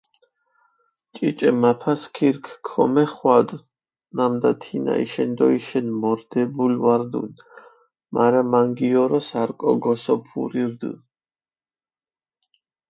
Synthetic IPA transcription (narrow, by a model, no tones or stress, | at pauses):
t͡ʃʼit͡ʃʼɛmapʰaskʰiɾkʰkʰːɔmɛχwad̪ | namd̪at̪ʰina̰ḭʃɛnd̪ɔiʃɛnmɔɾd̪̥ɛbulwaɾd̪ṵn | mʔaɾamaŋɡiɔɾɔsaɾkʼɔ̰ɡɔsɔpʰṵɾiɾd̪ɨ̰